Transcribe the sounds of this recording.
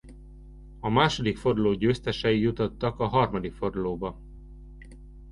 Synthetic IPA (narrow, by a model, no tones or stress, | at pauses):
ɒmaːʃo̞d̪ikfo̞rd̪uloːɟøːst̪ɛʃɛijut̪ot̪ːɒkɒɦɒrmɒd̪ikfo̞rd̪uloːbɒ